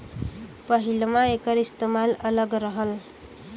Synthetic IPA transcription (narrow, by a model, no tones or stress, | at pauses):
pʌɦilmaekʌɾist̪emalʌlʌɡɾʌɦʌl